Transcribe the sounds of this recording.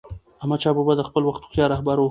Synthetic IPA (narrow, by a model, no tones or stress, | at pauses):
amat͡ʃɑbubad̪əxpəlwaxt̪u̥xt̪jɑɾɑhbaɾwo